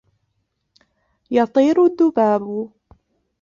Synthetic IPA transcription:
jɑt̪ˤiːɾʊd̪ːʊbaːbʊ

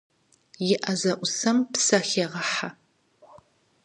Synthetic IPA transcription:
jɪʔɐzɐʔʷʊsɐmpsɐxeːʁɐħa

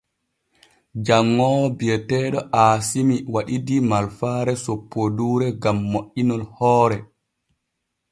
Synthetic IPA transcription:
d͡ʒaŋːɔbiɛtɛːɗɔʔaːsimiwaɗidimalfaːɾɛsopːoduːɾɛɡamːoʔinɔlhɔːɾɛ

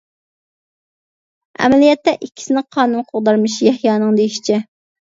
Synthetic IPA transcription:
ɛ̰mɛlijɛt̪ːɛʔikʲʰːi̥sɪnɪqʰɑːnunqʰoʁd̪ɑɾmɨʃjɛhjɑːnɨŋd̪ejiʃi̥t͡ʃʰɛ

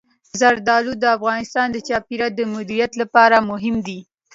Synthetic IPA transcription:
zaɾd̪ɑlud̪əafɣɑnɪst̪ɑnd̪ət͡ʃɑpiɾad̪əmʊd̪iɾijat̪lapɑɾamʊɦɪmd̪i

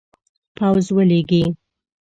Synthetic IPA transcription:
pawzwəleɡi

